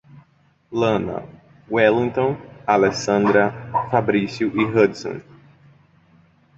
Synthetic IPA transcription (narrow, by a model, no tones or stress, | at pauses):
lɐ̃nɐ̰ | wɛlĩŋt̪õnalɛsɐ̃nd̪ɾɐfabɾisjuʔiɦɐd̪sõ̰n